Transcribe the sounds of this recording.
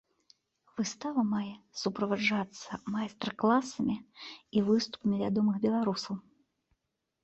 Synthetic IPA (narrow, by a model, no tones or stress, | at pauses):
vɨst̪avɐmajɛsupɾɐvad͡ʐat̪sːɐmajst̪rklˠasɐmʲiivɨst̪u̥pɐmʲivʲad̪ɔmɨxbʲɛlˠaɾusɐw